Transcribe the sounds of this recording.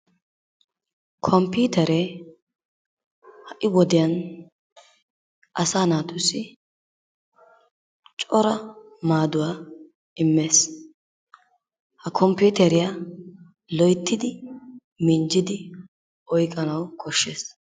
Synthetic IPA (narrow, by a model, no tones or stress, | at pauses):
kʰɔmpuːt̪ɛɾɛ | hɐʔɪwɔd̪ɪjɐn | ʔɐsaːnaːt̪ʊsɪ | t͡ʃʼɔɾɐ | maːd̪ʊwaː | ɪmːe̞ːs | hɐkʰɔmpuːt̪ɛɾɪja | lɔjt̪ːɪd̪ɪ | mɪnd͡ʒɪd̪ɪ | ʔɔjkʼːɐnɐwkʰɔʃːeːs